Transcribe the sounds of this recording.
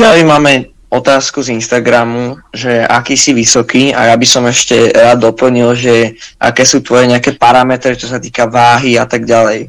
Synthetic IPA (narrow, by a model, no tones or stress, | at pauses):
alimaːmɛ | ɔt̪aːskuzinʃt̪aɡɾamuʒɛa̰kiːsiʋisɔkiːa̰jabisɔmɛʃcɛɾaːd̪ːɔpl̩ɲilʒɛʔa̰kɛːsuːt̪ʋɔjɛɲɛakɛːpaɾamɛt̪ɾit͡ʃɔsat̪iːkaʋaːɦiat̪aɡɟalɛj